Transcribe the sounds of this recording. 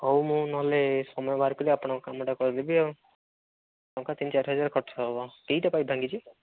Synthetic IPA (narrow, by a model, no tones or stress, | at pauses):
ɔwmũnɔɦlesɔmɔjɔbʱaɾkɔliapɔɽ̃ɔ̃kokamɔʈakɔɾd̪ebiɔ | ɔ̃ŋkat̪int͡ʃaɾʰɦʌd͡ʒaɾkʰɔʈsʰɔbɔkeɦiʈapaibʱãŋɡit͡ʃʰi